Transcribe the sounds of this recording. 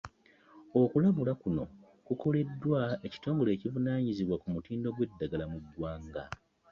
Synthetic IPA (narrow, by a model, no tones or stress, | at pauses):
o̞kulaβulakuno̞̰ | kuko̞le̞dːwae̞ci̥to̞ːŋɡo̞le̞ːciβunaːɲiziβwakumutiːndo̞ɡwe̞dːaɡalamuɡwaːŋɡa